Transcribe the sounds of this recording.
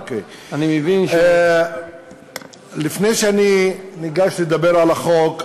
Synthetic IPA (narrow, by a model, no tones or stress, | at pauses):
kej | animevin | lifnejʃeaniniɡaʃlid̪abeɾalaχok